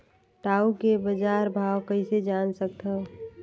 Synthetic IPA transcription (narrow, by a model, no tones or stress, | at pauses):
ʈaːukebəd͡ʒaːɾbʱaːwkəised͡ʒaːnsək̚t̪ɦəo